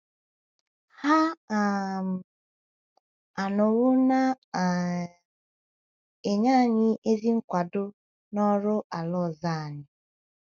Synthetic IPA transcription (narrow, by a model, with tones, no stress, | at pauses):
ha˦˨ | a˨nʊ˨ɣʊ˦na˦˨ | e˨ɲa˦˨ɲɪ˦ʔe˦zi˦ŋ̩˦kʷa˨dʊ˦ | nɔ˦ɾʊ˦ʔa˨lɔ˦˨za˦a˨ɲɪ˨